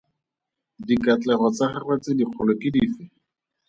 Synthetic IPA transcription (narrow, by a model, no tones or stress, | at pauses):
dikat͡ɬɛχɔt͡saχarwɛt͡sɪdiq͡χʰʊlɔkɪdiːfɛ